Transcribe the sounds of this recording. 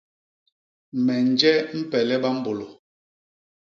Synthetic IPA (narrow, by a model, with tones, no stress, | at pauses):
mɛ˨n˦d͡ʒɛ˦m̩˦pɛ˨lɛ˦ɓa˦m̩˦bo˨lo˨